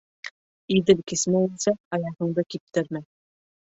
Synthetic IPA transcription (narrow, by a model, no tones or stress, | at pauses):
id̪ɘlkɘ̆smæɘlsæɑjɑhɤ̆ɴd̪ɤkip̚t̪ɘɾmæ